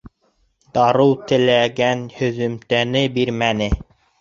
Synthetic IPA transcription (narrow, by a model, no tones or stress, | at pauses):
d̪ɑɾɤwt̪ɘ̆læɡænhɵ̆ðɵ̆mt̪ænɘbiɾmænɘ